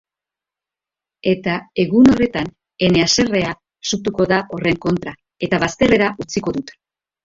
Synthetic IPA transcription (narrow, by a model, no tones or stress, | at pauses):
e̞t̪ae̞ɣuno̞re̞t̪an | e̞ne̞ase̞re̞a | sut̪uko̞ðaʔo̞re̞ŋko̞nt̪ɾa | e̞t̪aβast̪e̞re̞ɾaʔut͡siko̞ðut̪e̥